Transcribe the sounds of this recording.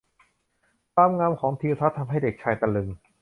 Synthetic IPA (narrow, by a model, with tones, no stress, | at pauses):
aː˧mŋaː˧mkʰɔː˩˦ŋt̪ʰiː˧wt̪ʰa˦˥t̪ʰːa˧mɦa˥˩jde˨˩k̚t͡ɕʰaː˧jt̪a˧lɯ˧ŋ